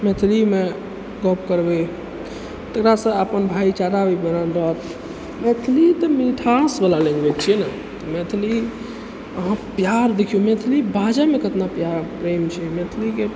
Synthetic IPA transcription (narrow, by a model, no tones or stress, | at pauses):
met̪ʰlime | ɡɔp̚kəɾbe | t̪əkɾasə̃əpənbʱait͡ʃaɾabibenanɾɔt̪ | met̪ʰlit̪əmiʈʰasbəlalẽŋɡbɛt͡ʃʰiɛna | t̪ɔmet̪ʰli | əɦãpjaɾd̪ekʰijumet̪ʰlibad͡ʒamekət̪napjaɾpɾemt͡ʃʰɛmet̪ʰlike